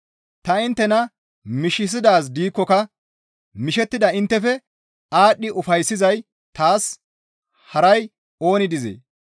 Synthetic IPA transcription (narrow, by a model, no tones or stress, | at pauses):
t̪ɐɪnt̪ːɛnɐ | mɪʃɪs̬ɪd̪aːs̬d̪iːkːɔkɐ | mɪʃɛt̪ːɪd̪ɐɪnt̪ːɛfɛ | aːɗːɪʔʊfɐjsːɪzɐj | t̪aːs | hɐɾɐj | o̞ːnɪd̪ɪzḛː